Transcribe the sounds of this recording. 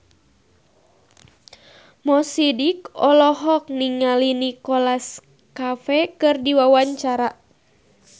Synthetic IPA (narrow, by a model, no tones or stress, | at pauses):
mɔsidikɔlɔɦɔk̚niŋalinikɔlas | kafɛkɨrdiwawaɲt͡ʃaɾa